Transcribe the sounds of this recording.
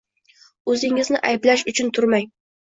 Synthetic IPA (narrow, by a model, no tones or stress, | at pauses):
ɵzɪŋɪznɪʔajblaʃʊt͡ʃʰʊnt̪ʰʊɾmaj